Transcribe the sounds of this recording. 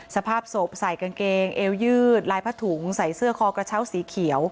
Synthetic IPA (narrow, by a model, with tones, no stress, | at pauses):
sa˧pʰaː˥˩p̚so˨˩p̚sa˨˩jka˧nkeː˧ŋʔeː˧wjɯː˥˩t̪̚laː˧jpʰa˦˥˩t̪ʰu˩˦ŋsa˨˩jsɯ˥˩ɐkʰɔː˧kɾa˧t͡ɕʰa˦˥˩wsiː˨˩˦kʰi˩˦əw